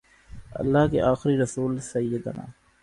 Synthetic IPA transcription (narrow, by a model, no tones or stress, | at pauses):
ɐ̰lːaːkḛʔaːxɪɾiɾəsuːlsɐjːəd̪əna̰ː